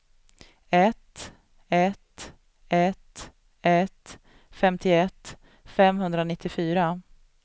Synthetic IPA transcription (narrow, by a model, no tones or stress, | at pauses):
ɛt̪ | ɛt̪ | ɛt̪ | ɛt̪ | fɛmt̪ʰɪɛt̪ː | fɛmɦɵnd̪ɾanɪt̪ʰːɪfyːɾa